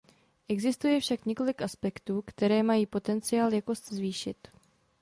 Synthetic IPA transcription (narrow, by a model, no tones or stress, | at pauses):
ʔɛɡzɪst̪ujɛfʃakɲɛko̞lɪkʔaspɛkt̪uːkt̪ɛɾɛːmajiːpo̞t̪ɛnt͡sɪjaːljako̞szviːʃɪt̪